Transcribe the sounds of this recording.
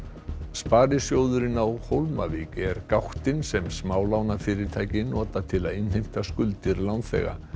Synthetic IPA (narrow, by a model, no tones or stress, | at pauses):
spaːɾɪsjowðʏɾɪnawhowlma̰viːcɛɾkawht̪ɪnsɛmsmaːwlawnafɪːɾɪɾ̥t̪ʰaːjcɪnɔːt̪at̪ʰɪlaðɪnhejm̥t̪askʏlt̪ɪɾlawnθɛ̰ɣa̰